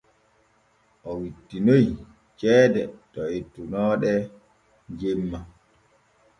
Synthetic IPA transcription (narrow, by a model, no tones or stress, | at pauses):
ʔɔwitːinoj | t͡ʃɛːdɛtɔetːunɔːɗɛ | ɲd͡ʒemːa